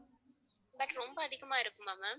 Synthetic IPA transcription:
bɐʈɾɔmbɐːðɪɣɐmaːɪɾɯkːɯmːaːmɐ

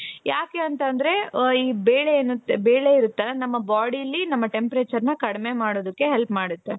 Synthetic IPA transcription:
jaːke̞ɐnt̪ɐnd̪ɐɾe̞iːbeːɭenut̪ːebeːɭe̞iɾut̪ːɐlːɐnɐmːɐbaːɽiɐlːinɐmːɐʈe̞mpɾeːt͡ʃɐɾnɐkɐɽeme̞maːɽoːd̪ɐkːe̞ɦelpmaːɽut̪ːe

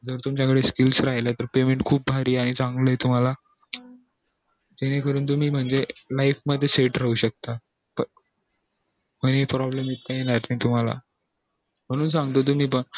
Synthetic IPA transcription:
d͡zəɾt̪umt͡ɕakəɽeskilsɾaɦilat̪əɾpemeɳʈkʰuːp̚bʱaɾiːaɽ̃it͡sãŋɡləjt̪um̤ala | d͡ʑ̪enekəɾuːnt̪̬um̤iːm̤əɳd͡zelaifməd̪ʱːeseʈɾəɦuːɕək̚t̪a | pə | m̤ənepɾɔblemit̪̚kajenaɾt̪ait̪um̤ala̰ | m̤əɽ̃ũːnsãŋɡt̪ot̪̬um̤iːpəɳ

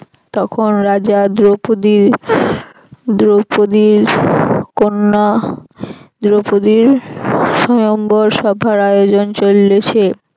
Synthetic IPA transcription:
t̪ɔkʰonɾad͡ʑad̪ɾopod̪iɾ | d̪ɾopod̪iɾ | konːa | d̪ɾopod̪iɾʃɔjomboɾʃɔbʱaɾajod͡ʑont͡ɕolːet͡ɕʰe

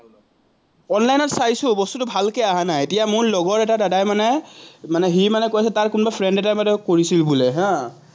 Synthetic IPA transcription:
ɔnlajnɔtsajsʊbɔstutʊbʱalkeaɦanajetijamʊɹlɔɡɔɹɛtadadajmanɛmanɛɦimanɛkojasɛtaɹkʊnbapʰɹɛndɛtajmatɛkoɹisilbulɛɦã

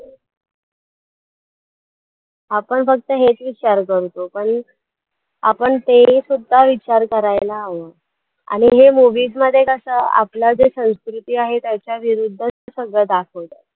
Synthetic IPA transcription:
ɦapəɳfək̚t̪əɦet͡sʋit͡ɕaɾkəɾt̪opəɳ | apəɳt̪esud̪ʱːaʋit͡ɕaɾkəɾajlaːʋə | a̰ɽ̃iɦemuʋiːzməd̪ʱːjekəsəa̰plad͡zesə̃w̃skɾut̪iːaɦet̪jat͡ɕjaʋiɾud̪ʱːət͡səsəɡɭəd̪akʰəʋt̪a

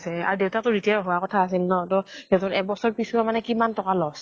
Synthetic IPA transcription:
sɛa̰ɹudeʊtatʊɹitiaɹɦowakɔtʰaːs̬ilnɔtɔdewtɔtɛbɔsɔɹpisuamanɛkimantɔkalɔs

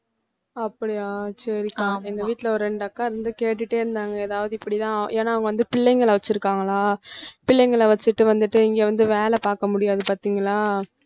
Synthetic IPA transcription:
ɐpːɐɽɪaːt͡ʃɐɾɪkːaːŋɡɐɪnd̪ɐʋiːʈːlɐɔɾɯɾɛɳɖɐkːaːɾɛnd̪ɯkeːʈːɯʈːeːɪɾɯnd̪aːŋɡɐɛðaːʋɐðɯɪpːɐɽit̪ãːʔeːnaːɐʋɐŋɡɐʋɐnd̪ɯpɪɭːɛɪŋɡɐɭɐʋɐt͡ʃːɪɾɯkːaːŋɡɐlaːpɪlːɛŋɡɐɭɐʋɐt͡ʃːɯʈːɯʋɐnd̪ɯʈːɯɪŋɡeːʋɐnd̪ɯʋeːlɛpaːɾkɐmʊɽɪjaːðɯpaːɾt̪iːŋɡɐlaː

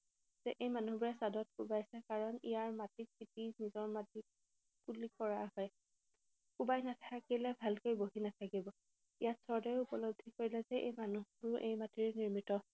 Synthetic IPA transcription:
z̥ɛʔejmanuɦbiɹasadɔt̚kubajsɛkaɹɔnḭjaɹmatik̚kitinizɔɹmati | kulikɔɹaɦɔj | kubajnatʰakilɛbʱalkojboɦinatʰakibɔ | ijatsɔɹdajupɔlobd̪ʱikoɹilɛzɛʔḛjmanuɦʊɹʊʔḛjmatiɹniɹmitɔ

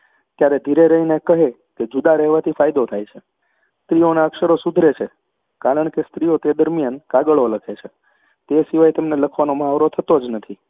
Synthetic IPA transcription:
t̪jaɾed̪ʱiɾeɾəɦinekəɦe | ked͡ʒud̪aɾɛɦʋat̪ʰifajd̪ot̪ʰajt͡ʃʰe | st̪ɾionaəkʃəɾosud̪ʱɾet͡ʃʰe | kaɾəɳ̃kest̪ɾiot̪ed̪əɾmjankaɡəɭoləkʰet͡ʃʰe | t̪esiʋajt̪emneləkʰʋanomaʋɾot̪ʰət̪od͡ʒnət̪ʰi

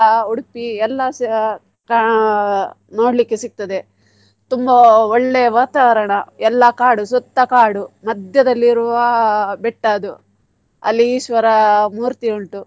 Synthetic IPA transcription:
ɐuɽupiɛlːɐs | kɐ | noːɽlikːesik̚t̪ɐd̪e̞ | t̪umbɐɔɭːeʋaːt̪aːʋɐɾɐɳɐɛlːɐkaːɽusɔt̪ːɐkaːɽumɐd̪jɐd̪ɐlːiɾuʋɐbɛʈːaːd̪u | ɐ̰lːiːʃʋɐɾɐmuːɾt̪iuɳʈu

